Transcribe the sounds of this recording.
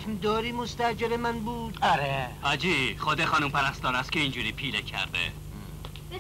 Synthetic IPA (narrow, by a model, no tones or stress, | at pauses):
md̪ɒːɾiːmost̪æd͡ʒelemænbuːd̪̥aɾehæd͡ʒiːχoːd̪exɒːnuːmpæɾæst̪ɒːnæst̪̚cʰeiːnd͡ʒuːɾiːpʰiːlecʰæ̰ɾd̪ḛ